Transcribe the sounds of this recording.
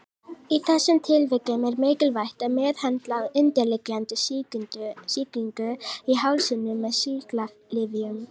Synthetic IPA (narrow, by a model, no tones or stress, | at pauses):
iθɛsːʏmt̪ʰɪlvɪkʏmɛɾmeːcɪlvajht̪aðmɛːðhɛnt̪laɣɪnt̪ɛlɪklant̪ɪsʏsiːk̪iŋkʏiɦawlsɪnːʏmːɛðsikla | lɪðiʏm